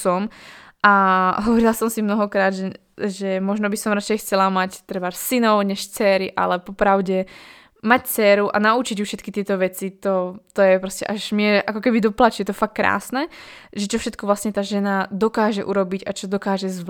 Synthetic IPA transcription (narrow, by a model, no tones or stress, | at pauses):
sɔmʔaɦɔʋɔɾilasɔmsimnɔɦɔkɾaːd̪ʒɛ | ʒɛmɔʒnɔbisɔmɾat͡ʃɛjxt͡sɛlamact̪ɾɛbaɾsinɔʊɲɛʃt͡sɛːɾiʔa̰lɛpɔpɾaʊɟɛ | mact͡sɛːɾuʔa̰naut͡ʃiɟufʃɛt̪kit̪ɪɛt̪ɔʋɛt͡sit̪ɔt̪ɔjɛpɾɔscɛʔaʒmɪɛakɔkɛbid̪ɔplat͡ʃjɛt̪ɔfakːɾa̰ːsnɛʒɛt͡ʃɔfʃɛt̪̚kɔʋlasɲɛt̪aːʒɛnad̪ɔkaːʒɛʔuɾɔbiɟat͡ʃɔd̪ɔkaːʒɛzʋ